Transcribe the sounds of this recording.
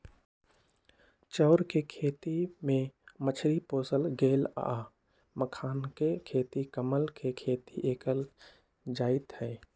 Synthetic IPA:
t͡ʃɔːɾkekʰeːt̪imẽmət͡ʃʰɾipoːsəlɡeːla̰a | məkʰaːnkekʰeːt̪ikəməlkʰekʰeːt̪iʔeːkəl | d͡ʒaːɪt̪hɛː

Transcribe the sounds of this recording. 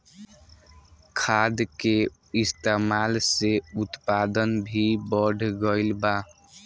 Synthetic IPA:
kʰad̪ke | ist̪emalseut̪pad̪ənbʱibəɖʱɡəɪlba

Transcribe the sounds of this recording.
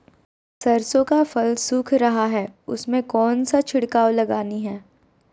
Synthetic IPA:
sɐɾsõkafɐlsʊːkʰɾɐɦaɦɛːʊsmẽkɔːnsat͡ʃʰɪɽkaːwlɐɡaːniɦɛː

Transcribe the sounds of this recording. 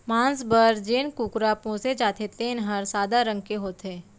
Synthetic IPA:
mãːnsbəɾd͡ʒeːnkuːkɾaːpõsed͡ʒaːt̪ʰet̪eːnɦɐɾsaːd̪aɾə̃ŋɡkeɦoːt̪ɦeː

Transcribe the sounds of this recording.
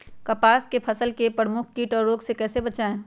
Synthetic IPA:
kɐpaːskepʰɐsəlkepɾəmʊkʰkiːʈɔːɾːoːɡsekɛːsebɐt͡ʃaːẽː

